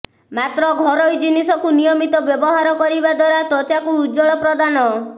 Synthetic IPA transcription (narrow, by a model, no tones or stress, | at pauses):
mat̪ɾɔɡʱɔɾɔjd͡ʒinisɔkunijɔmit̪ɔbjɔbɔɦaɾɔkɔɾibad̪waɾat̪ɔt͡ʃakuːd͡ʒɔɭɔpɾɔd̪anɔ